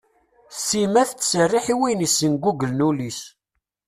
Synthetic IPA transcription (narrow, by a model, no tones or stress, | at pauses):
simæθt͡sːsərːiħiwinisːənɡuɡəlnulis